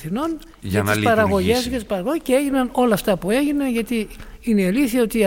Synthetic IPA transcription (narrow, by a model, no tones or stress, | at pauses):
θino̞n | ʝɐt̪ispɐɾɐɣo̞ʝezʝɐt̪ispɐɾɐɣojceeʝinɐno̞lɐːft̪ɐpue̞ʝineʝɐt̪iineliθiɐo̞t̪iɐ